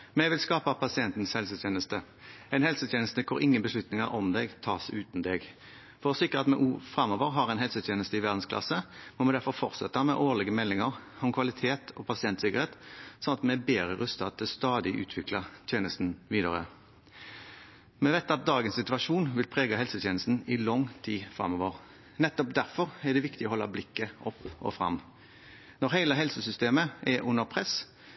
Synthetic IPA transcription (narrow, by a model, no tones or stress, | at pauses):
mɛʋɪlskɑːpɑpʰɑsɪɛnt̪n̩shɛlsət̪ʰjeːnəst̪ə | ɛnhɛlsət̪jeːnəst̪əkʰɔɾɪŋːənbəsʂlʉt̪nɪŋəʁʔɔmd̪ɛɡt̪ʰɑːsʉːt̪n̩d̪ɛɡ | fɔʁsɪkːəʁɑt̪mɛʔufɾɑmɔːʋəʁɦɑʁɛnɛlsət̪ʰjeːnəst̪əɪʋæʁd̪n̩skʰlɑ̰səmɔmɛd̪æʁfɔʁfɔ̰ʁt̪sɛ̰t̪ːɑmɛʔoːʁɭɛɡəmɛlːɪŋəʁ | ɔmkʰʋɑlɪt̪ʰeːt̪ʰɔpʰɑsɪɛnt̪sɪkːəʁheːt̪sɔnɑt̪mɛɛbeːʁəʁœst̪ɑt̪̚d̪ɛst̪ɑːd̪ɪʔʉ̰ːt̪ʰʋɪklɑt̪ʰjeːnəst̪n̩ʋiːd̪ɑʁə̰ | mɛʋæɪt̪ɑt̪̚d̪ɑːɡənsɪt̪ʉɑʂuːnʋɪlpʰʁeːɡɑɦɛlsət̪jeːnəst̪n̩ɪlɔŋt̪ʰiːfʁɑ̰mɔːʋəʁ | nɛt̪ːɔp̚d̪æʁfɔʁɛd̪ɛʋɪkt̪ɪɔhɔlːɑ̰blɪkːəʔɔpːɔ̰fʁɑ̰m | nɔʁheɪləɦɛlsəsʏst̪eːməʔɛʔʉnəʁpʰʁɛs